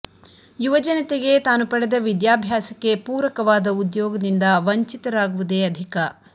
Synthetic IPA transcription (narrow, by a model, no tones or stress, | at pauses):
juʋɐd͡ʒɐnɐt̪eɡe̞t̪aːnupɐɽed̪ɐʋid̪jaːbʱjaːsɐkːe̞puːɾʋɐkɐʋaːd̪ɐud̪jɔːɡɐd̪ind̪ɐʋɐɲt͡ʃit̪ɐɾaːɡuʋud̪eɐd̪ʱikɐ